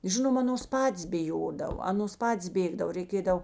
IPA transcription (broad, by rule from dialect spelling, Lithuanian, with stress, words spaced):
ˈʒʲɪnoːm ˈɑːnoːs ˈpɑːtʲeːs bʲɪˈjoːdɐw ˈɑːnoːs ˈpɑːtʲeːs ˈbʲeːɡdɐw rʲɛɪˈkʲeːdɐw